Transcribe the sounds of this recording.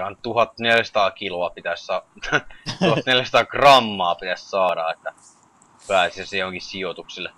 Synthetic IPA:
ɑnt̪uhɑt̪ːneljsɑ̥t̪ɑːkiloɑpit̪æssɑ | tuhɑt̪neljæsɑ̥t̪ɑːkrɑmːɑːpit̪æssɑːɾɑ̰et̪ːæ | pæːsisæsejohoŋkissiot̪uksilːe

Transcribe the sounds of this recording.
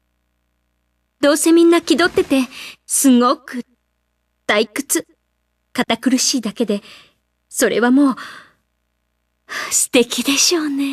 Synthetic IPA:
d̪o̞ːse̞mʲĩnːakʲid̪o̞t̪ːe̞t̪e̞sɨŋo̞kɯ̟ | d̪̥aikɯ̥t͡sɨ | kat̪akɯ̟ɾɯ̟ɕiːd̪ake̞d̪e̞ | so̞ɾe̞βamo̞ː | sɨ̥t̪e̞kʲid̪e̞ɕo̞ːne̞

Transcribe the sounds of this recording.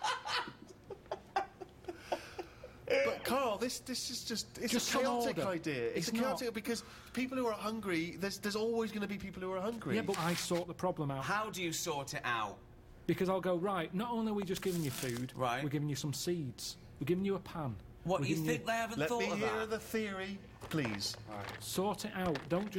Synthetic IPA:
b̥ʌkʰɑːlˠðɪsðɪsɪzd͡ʒʌstɪtd͡ʒʌəskʰɪtɪkəaɪdiəɪsəneɪɔtɪk̚b̥ɪkʰʌz̥ | pʰiˑpl̩ˠhuə˞ɦʌ̃ŋɡɹiðəzðə˞zɔlˠwɪzɡʌnəbipʰiˑpl̩ˠhuə˞hʌ̃ŋɡɹijæb̥ʌtaɪsɔˑʔðəpʰɹ̥ɒblə̃maʊhaʊdɨjəsɔˑtʰɪta̰ʊt | b̥ɪkʰʌzaɪlˠɡoʊɹaɪʔnətõʊ̃nliwid͡ʒʌsɡ̥ɪvɪ̃ŋjəfʉːd̥ɹaɪʔwɪɡɪvɪ̃ŋjəsʌ̃msiːdz̥ | wɨɡɪvɪ̃ŋjəəpʰãn | wʌdə̥ɪɪŋjɪ̃ŋk̚ðeɪavə̃lɛθɔhəɹðəθɪəɹi | pʰl̥ḭːz̥sɔɹtɪtaʊʔd̥õʊ̃nd̥ʒ̥ʌ

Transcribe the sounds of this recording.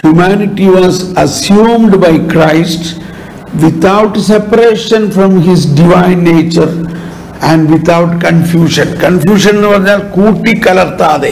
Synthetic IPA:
hjumæːnɪʈiʋɔːzɐsjũːmɖbaɪkɾaɪsʈ | ʋɪt̪aʊʈsepəɾeːʃə̃nfɾɔ̃mɦɪzɖiʋãɪ̃nːeːt͡ʃəɾ | æ̃ɳɖʋɪt̪ʰaʊʈkɐ̃nfjuːʃə̃nkɐ̃nfjuːʃə̃nʋɐɾalkuːʈikɐlɐɾt̪aːd̪e

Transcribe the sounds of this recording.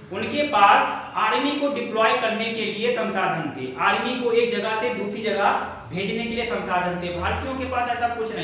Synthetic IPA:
ʊnkepaːs | aːɾmikoɖɪplɔːjkɐɾnekeliesɐ̃nsaːd̪ʱənt̪ḛʔaːɾmikoeːk̚d͡ʒɐɡaɦsed̪uːsɾid͡ʒɐɡaɦ | bʱeːd͡ʒnekeliesɐ̃nsaːd̪ʱənt̪eɛbʱaːɾt̪ijõkepaːsɛːsakʊt͡ʃʰnɐɦ

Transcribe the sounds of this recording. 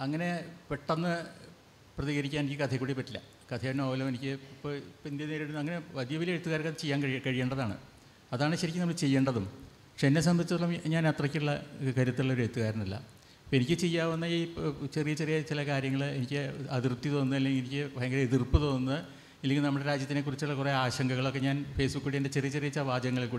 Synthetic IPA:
ɐŋːɐne̞peʈːɐnːɨ | prɐðiːɣɐɾikʲːaːnenikʲːɨkɐt̪ʰekːuːɽipːɐtːilːɐ̰ | kɐt̪ʰejɐnoːʋɐlɐmenikʲːɨpːopind̪jeneːɾeɽunːɐŋːɐne̞ʋɐd̪jɐʋileɻt̪uɣaːɾɐkɐt̪ʰːɐt͡ɕejːaːnkkɐɻije̞ːɳɖɐðaːɳɨ̰ | ɐðaːɳɨɕɐɾikʲːɨnmɐɭt͡ɕe̞jːe̞ːɳɖɐðum | pɐkʂenːes̬ɐmɐit͡ɕːɐðɐɭːɐmɲaːnet̪rɐkʲːiuɭːɐkɐɾut̪ːuɭːɐo̞ɾet̪ːuɣaːɾɐnilːɐ̰ | pːenikʲːɨt͡ɕe̞jːaːʋɐnːɐit͡ɕerijɐt͡ɕerijɐt͡ɕilɐkaːɾjɐŋːɐɭenikʲːɨɐðirpt̪ːit̪o̞ːnːɐðɐlːeŋinikʲːɨpɐɻɐŋɡileðirpɨt̪o̞ːnunːɐð | ilːeŋʲɡilnɐmːɐɽe̞ɾaːd͡ʑjɐt̪ːine̞kːurit͡ɕːuɭːɐkure̞aːɕɐŋɡɐɣɐɭo̞kːe̞ɲaːnfe̞ːsbukːuɽiende̞t͡ɕerijɐt͡ɕerijɐt͡ɕːaʋaːd͡ʑɐŋːɐɭelkuː

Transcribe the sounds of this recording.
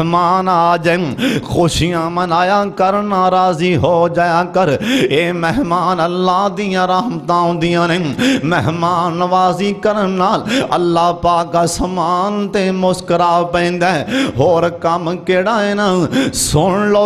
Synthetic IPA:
maːnaːd͡ʒexoːʃɪjãːmənaːjaːkəɾnaːɾaːziːɦoːd͡ʒaːjaːkəɾeːmɛɦmaːnəlːaːd̪ijãːɾaɦmt̪ãːʊ̃ːnd̪ɪjãːneːmɛɦmaːnʋaːziːkəɾənːaːlə̰lːaːpaːkːasəmaːnt̪emʊskəɾaːpɛ̃ːnd̪aːɦoːɾkəmkeːɽaːeːnaːsʊɳloː

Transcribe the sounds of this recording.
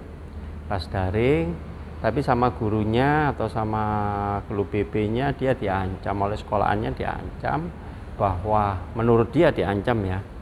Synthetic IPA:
lasd̥aɾɪŋ | t̪apisamaɡ̥uɾuɲaːt̪awsamakəlub̥eb̥eɲad̥iad̥iaɲt͡ʃamolɛhsə̥kola̰ʔa̰nɲad̪̥iʔa̰ɲt͡ʃa̰m | b̥aɦwamənuɾʊt̪̚d̪̥iad̥̪iaɲt͡ʃamja

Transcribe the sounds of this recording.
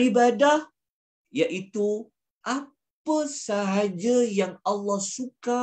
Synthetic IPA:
ibadah | jaʔit̪u | ʔa | pəsaɦad͡ʒajaŋalːɑhsuka

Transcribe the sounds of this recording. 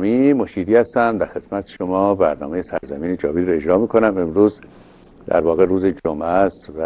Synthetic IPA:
mimoʃiːd̪iːhæst̪æmd̪æɾxe̞d̪mæt̪ʰe̥ʃomɒːbæɾnɒ̰ːmejesæɾzæmiːned͡ʒɒːviːɾoe̞d͡ʒɾɒːmiːkʰonæmemɾuːz | d̪æ̰ɾvɒːɣe̞ɾuːzed͡ʒomæst̪væ

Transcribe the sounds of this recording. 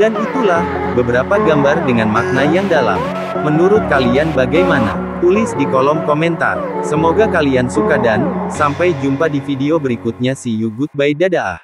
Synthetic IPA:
danit̪ulah | bəbəɾapaɡambardəŋanmak̚najaŋdala̰m | mənuɾʊt̪̚kalianbaɡajmana̰ | t̪ulɪsdikolɔmkomɛnt̪a̰rsəmoɡakaliansukadansampajd͡ʒumpadifideobəɾikʊt̪̚ɲasijuɡʊt̪̚baidadaʔa̰h

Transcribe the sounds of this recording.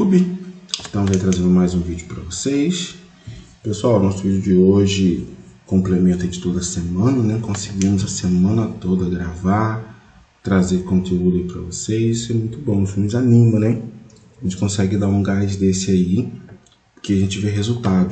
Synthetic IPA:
ubɪɪʃt̪ɐ̃mʊzait̪ɾazẽnd̪ʊmajzũvid͡ʒʊpɾɐvosejs | pesuawnɔsʊvid͡ʒʊd͡ʒɪoʒɪ | kõmplemẽnt̪ẽd͡ʒɪt̪od̪ɐsemɐ̃nɐnɛkõsɪɡĩmʊzɐsemɐ̃nɐt̪od̪ɐɡɾavaɾ | t̪ɾazeɾkõnt̪eud̪ʊɐipɾɐvosejzisʊɛmũj̃t̪ʊbõw̃ʊfumɪanĩmɐnɛ | ʒẽnt͡ʃɪkõsɛɡɪd̪aɾũɡajd͡ʒɪd̪esɪai | pʊɾkeaʒẽnt͡ʃɪveɦezuwt̪ad̪ʊ

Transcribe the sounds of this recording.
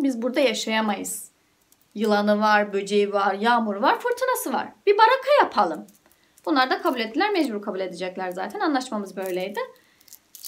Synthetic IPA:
bizbuɾd̪ajaʃajamajɯz̥ | jɯlˠanɯvaɾbød͡ʒejivaɾjaːmuɾvaɾfɯɾt̪ʰɯnasɯva̰ɾ̥b̥ibaɾakʰajapʰalˠɯm | b̥unlˠaɾd̪akʰabulʲet̪ːilʲæɾmɛd͡ʒbuɾkʰabulʲe̞d̪ɛd͡ʒɛclʲæɾza̰ːt̪ʰɛnanlˠaʃmamɯzbø̞jlʲejd̪ɪ

